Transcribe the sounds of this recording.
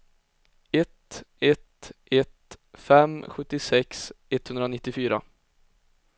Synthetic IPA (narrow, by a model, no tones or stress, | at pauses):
ɛt̪ɛt̪ʔɛt̪fɛmɧɵt̪ːɪsɛksɛt̪hɵnd̪ɾanɪt̪ːɪfyːɾa̰